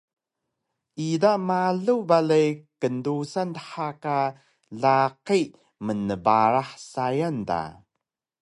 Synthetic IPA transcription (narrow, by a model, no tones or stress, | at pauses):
ʔidamaɮubaɮajkəndusantə̥ħaka | ɮaqi | mənəbaɾaħsajanda̰